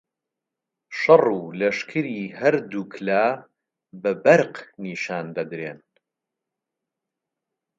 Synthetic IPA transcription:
ʃɐruːlɐʃkʰɨɾiːɦɐɾd̪ukʰlaː | bɐbɐɾqniːʃaːnd̪ɐd̪ɾeːn

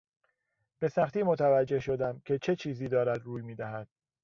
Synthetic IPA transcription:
b̥e̞sæxt̪iːmot̪ʰævæd͡ʒːe̞hʃo̞d̪æmcʲʰe̞t͡ʃʰe̞t͡ʃʰiːziːd̪ɒːɾæd̪ɾuːjmiːd̪æɦæd̪̥̚

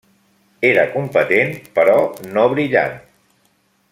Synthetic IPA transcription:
eɾəkumpət̪enpəɾɔnoβɾiʎa̰n

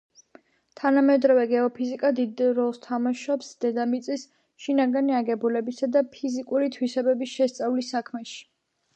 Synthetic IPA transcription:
t̪ʰanamɛd̪ɾɔvɛɡɛɔpʰizikʼad̪id̪ɾɔlˠst̪ʰamaʃɔpsd̪̥ɛd̪amit̪sʼis | ʃinaɡaniaɡɛbulɛbisad̪apʰizikʼuɾit̪ʰwisɛbɛbisʃɛst̪sʼavlisːakʰmɛʃi̥

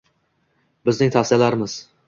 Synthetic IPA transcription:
bɪznɪŋt̪ʰafsɪjalaɾɪmɪz̥

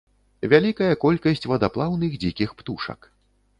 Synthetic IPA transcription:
vʲalʲikɐjɐkɔlʲkɐsʲt͡sʲvɐd̪aplˠawnɨxd͡zʲikʲixpt̪uʂɐ̰k

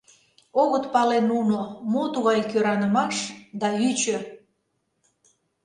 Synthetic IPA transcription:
oɣət̪pɑlenunomot̪uɣɑjkøɾɑnəmɑʃd̪ɑyt͡ɕø

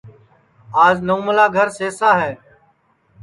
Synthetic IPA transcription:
aːznoːməlaːɡʱəɾseːsaːɦɛː

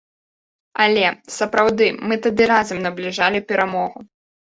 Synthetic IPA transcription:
ɐlʲɛsɐpɾawd̪ɨmɨt̪ad̪ɨɾazɐmnɐblʲiʐalʲipʲɛɾamɔɣu

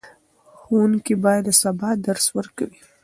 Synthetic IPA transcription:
xwunkibɑjad̪əsabɑd̪aɾswəɾkawi

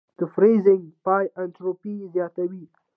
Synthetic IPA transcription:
d̪̥əfɾezɪ̃ŋɡpɑjʔanʈɾopizjɑt̪awi

